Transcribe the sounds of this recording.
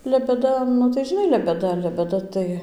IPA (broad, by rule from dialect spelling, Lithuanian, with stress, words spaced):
lʲɛbʲɛˈdɐ nʊ tɐɪ ʒʲɪˈnɐɪ lʲɛbʲɛˈdɐ lʲɛbʲɛˈdɐ tɐɪ